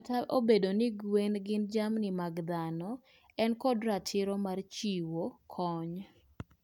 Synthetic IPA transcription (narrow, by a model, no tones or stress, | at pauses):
taʔobedonɪɡwenɡɪnd͡ʒamnɪmaɡd̪anɔ | ɛnkɔdɾatʰɪɾɔmart͡ʃiwokʰɔɲ